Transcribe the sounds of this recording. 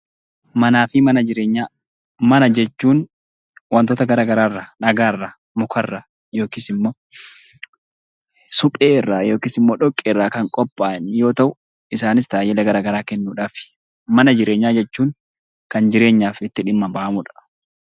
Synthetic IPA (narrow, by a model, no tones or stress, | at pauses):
mɐnaːfɪmɐnɐd͡ʒɪɾe̞ːɲːaː | mɐnɐd͡ʒɛt͡ʃːuːn | wɐnt̪oːt̪ɐɡɐɾaːɡɐɾaːrːɐnɐɡaːrːa | mʊkʰɐrːa | joːkɪːsɪmːoː | sʊpʼeːɪrːaːjo̞ːkiːsɪmːoːᶑɔkʼːeːrːaːkɐŋkʼɔpʼːaːnjo̞ːt̪ɐʔʊ | ɪsaːnɪst̪aːjɛlɐɡɐɾaːɡɐɾaːkɛnːuːᶑaːfɪ̥ | mɐnɐd͡ʒɪɾʔe̞ːɲːaːd͡ʒɛt͡ʃːuːŋ | kɐnd͡ʒɪɾe̞ːɲːaːfɪt̪ːɪᶑɪmːɐbɐʔɐmʊᶑɐ̥